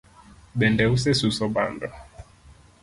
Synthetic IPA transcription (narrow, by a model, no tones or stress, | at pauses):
ɓɛndɛus̬ɛsusɔɓa̰ndɔ